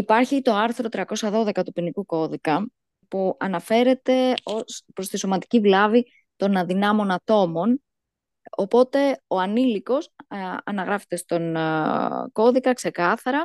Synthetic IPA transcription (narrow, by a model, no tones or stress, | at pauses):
ipɐɾçit̪o̞ɐɾθɾo̞t̪ɾiɐko̞sɐðo̞ðe̞kɐt̪upinikuko̞ðikɐ | puɐnɐfe̞ɾe̞t̪e̞ospɾo̞st̪iso̞mɐt̪i̥civlɐvi | t̪o̞nɐðinɐmo̞nɐt̪o̞mo̞n | o̞po̞t̪e̞o̞ɐniliko̞sɐ̰nɐɣɾɐfe̥t̪e̞st̪o̞n | ko̞ðikɐkse̞kɐθɐɾɐ